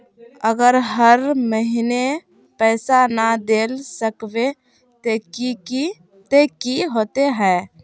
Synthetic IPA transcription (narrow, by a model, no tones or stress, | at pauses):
əɡəɾɦəɾməɦine | pɛɪsanad̪elsəkbe | t̪ekii | t̪ekiɦot̪eɦɛ